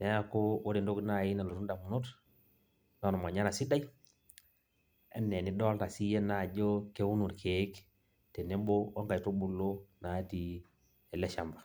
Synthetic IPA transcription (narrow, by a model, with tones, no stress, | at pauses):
ne˦a˦ko˦wo˦di˨ndo˦ɡna˦˨ji˦na˨lo˨ɾu˦nda˨mu˨nu˦t | no˨n˨ma˨ɲa˦na˨si˦da˦i˦ | ḛ˦nːe˨ni˦do˦lta˨si˦je˦na˨d͡ʒo˦ke˦wu˦nu˨ɾkʰe˨˦k | te˨ne˦mbo˦o˦ŋka˨to˦bu˦lːo˦na˨˦ti˨ | e˨le˦ʃa˨mba˨